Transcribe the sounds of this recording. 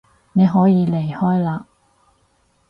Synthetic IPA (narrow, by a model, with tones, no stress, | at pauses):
ne˨˧jɦɔː˨˥jiː˨˧le˨˩jhɔː˥jlaː˧